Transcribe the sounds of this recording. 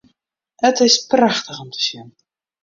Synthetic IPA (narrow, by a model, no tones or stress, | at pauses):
hətɪspraxtəχɔmtə̥sɪn